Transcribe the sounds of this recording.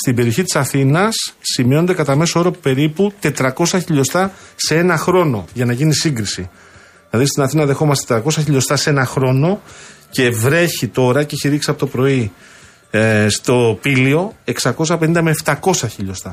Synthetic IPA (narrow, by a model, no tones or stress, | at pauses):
st̪ibe̞ɾio̞çit̪i̥sɐθinɐsːimio̞nd̪e̞kɐt̪ɐme̞soo̞ɾɐpe̞ɾiput̪e̞t̪ɾɐko̞sɐçiʎost̪ɐ | se̞e̞nɐxɾo̞no̞̰ʝɐnɐʝinisiŋɡɾisi | ðilɐðist̪inɐθinɐðe̞xo̞mɐst̪e̥et̪ɾɐko̞sɐçiʎost̪ɐsee̞nɐxɾo̞no̞ce̞vɾe̞çit̪o̞ɾɐceçiɾiksiɐpo̞t̪opɾo̞i | st̪o̞pilio̞e̞ksɐko̞sɐpe̞nind̪ɐmeːft̪ɐko̞sɐçiʎo̞st̪ɐ